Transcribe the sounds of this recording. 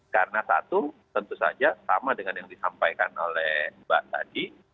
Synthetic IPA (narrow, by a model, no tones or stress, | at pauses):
karənasa̰t̪ut̪ənt̪usa̰d͡ʒasa̰madəŋanjaŋdisampajkanolɛhba̰ʔt̪a̰di